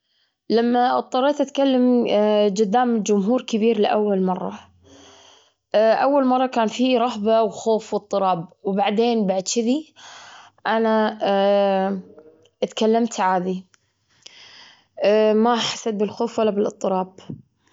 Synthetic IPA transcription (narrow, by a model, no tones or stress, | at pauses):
lamːaʔɨt̪ˤːɑɾˤeːt̪ʔat̪kalːamd͡ʒʊd̪ːaːmɪd͡ʒʊmɦuːɾkɪbiːɾlɪʔawːalmɑrˤːɑ̰ | ʔawːalmɑrˤːɑkaːnfiɾˤɑɦbawxoːfwɨt̪ˤːɨɾˤɑːb̚wbaʕd̪eːnbaʕd̪ʃɪði | ʔana | t̪kalːamt̪ʕaːd̪i | maħḁsat̪̚bɪlxoːfwalːabɪlʔɨt̪ˤːɨɾɑːb